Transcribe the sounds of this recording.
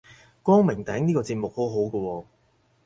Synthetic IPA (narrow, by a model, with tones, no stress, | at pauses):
kɔː˥ŋmɪ˨˩ŋt̪ɛː˨˥ŋniː˥kɔː˧t͡siː˧t̚mʊ˨k̚ho˨˥wɦo˨˥wkɔ˧wɔː˧